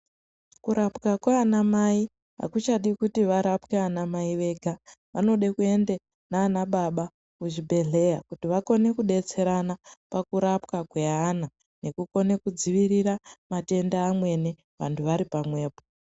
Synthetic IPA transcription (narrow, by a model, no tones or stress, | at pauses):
kuɾapkakwaːnamai | ɦa̰kut͡ʃaɗikutiʋaɾapkeanamaiʋe̞ːɡʱa | ʋano̞ɗekue̞nde | naːnaɓaɓa | kuʒibʱe̞ɮe̞jakutiʋako̞ne̞kuɗe̞t͡se̞ɾanapakuɾapkakwe̞ana | ne̞kuko̞ne̞kud͡ziʋiɾiɾamate̞ndaːmwe̞ne | ʋa̰ntʰuʋaɾipamwe̞ːpo